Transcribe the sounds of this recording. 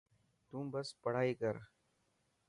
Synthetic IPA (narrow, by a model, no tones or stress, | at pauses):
t̪ũbɐspɐɽ̤aːikɐɾ